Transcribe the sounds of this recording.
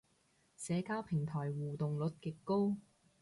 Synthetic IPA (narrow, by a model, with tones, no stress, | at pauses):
sɛː˨˧kaː˥wpʰɪ˨˩ŋt̪ʰɔː˨˩jwuː˨t̪ʊ˨ŋlɵ˨˥t̚kɪ˨kːo˥w